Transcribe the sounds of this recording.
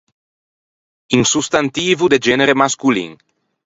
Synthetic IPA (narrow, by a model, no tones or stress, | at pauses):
iŋsust̪ant̪iːvud̪ed͡ʒɛneɾemaskulḭŋ